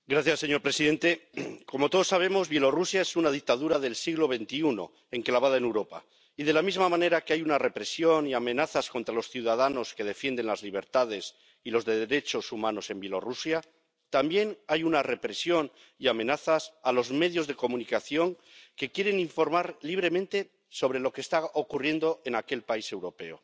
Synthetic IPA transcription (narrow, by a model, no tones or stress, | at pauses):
ɡɾaθjasːe̞ɲo̞ɾpɾe̞siðe̞nt̪e̞ko̞mo̞t̪o̞ð̞o̞saβ̞e̞mo̞zβje̞lo̞rusjaesunað̞ik̚t̪aðuɾaðe̞lsiɣlo̞β̞e̞nt̪iuno̞̰ | e̞ŋklaβ̞aðaenewɾo̞pa̰ | iðe̞lamizmamãne̞ɾakeajunare̞pɾe̞sjo̞niamẽ̞naθasko̞nt̪ɾalo̞sθjuwðaðano̞ske̞ð̞e̞fje̞nd̪e̞nlazliβ̞e̞ɾt̪aðe̞s | ilo̞zðe̞ðeɾe̞t͡ʃo̞sumãno̞se̞mbje̞lo̞rusja | t̪ambje̞najunare̞pɾe̞sjo̞n | iamẽ̞naθasalo̞zme̞ðjo̞zðe̞ko̞mũnikaθjo̞ŋ | ke̞kje̞ɾe̞niɱfo̞ɾmaɾliβ̞ɾe̞mẽ̞nt̪e̞ | so̞β̞ɾe̞lo̞kest̪aokurje̞nd̪o̞ʔe̞nake̞lpaise̞wɾo̞pe̞o